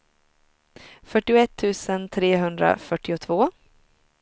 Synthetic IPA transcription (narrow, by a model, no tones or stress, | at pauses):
fœʈːɪʊɛt̪ʰːʉ̟ːsənt̪ʰɾeːɦɵnd̪ɾa̰fœʈːɪʊt̪ʰvoː